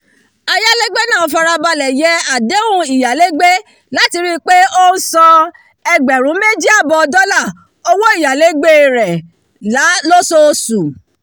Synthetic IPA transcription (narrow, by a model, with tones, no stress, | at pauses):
a˧ja˦le˦ɡ͡be˦nãː˦˨fa˧ɾa˧ba˧lɛ˨jɛ˨˦a˨de˨˦ũ˧˦i˨ja˨le˦ɡ͡be˦ | la˨˦ti˧ɾi˦k͡pe˦o˦n̩˦sɔ̃˧ | ɛ˧ɡ͡bɛ˨ɾ̃ũ˨˦me˦d͡ʒi˦a˦˨bɔ˧dɔ˦la˦˨ | o˧wo˦i˦˨ja˨le˨˦ɡ͡be˦˨ɾɛ˨ | la˨˦lo˦so˧su˨